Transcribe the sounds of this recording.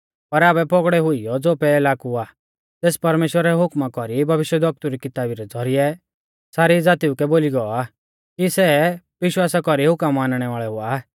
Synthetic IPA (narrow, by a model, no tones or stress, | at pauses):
pɐɾaːbɛpɔɡɽɛɦʊijɔd͡zoːpɛeːlaːkua | t̪eːspɐɾmeːʃwəɾɛɦʊkmakɔɾibʱɐʋɪʃjəd̪ʱɐk̚t̪uɾikɪt̪aːbiɾɛd͡zʱɔɾiɛ | saːɾid͡zaːt̪iukɛboːliɡɔɔa | kisɛ | ʋɪʃwaːsakɔɾiɦʊkəmːaːnɽ̃ɛʋaːɭɛɦʊa